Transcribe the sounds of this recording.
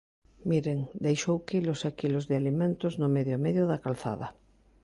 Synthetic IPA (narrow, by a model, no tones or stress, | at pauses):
miɾeŋd̪ejʃowkilosakilozðealimẽnt̪oznomeðjomeðjoðakalθa̰ða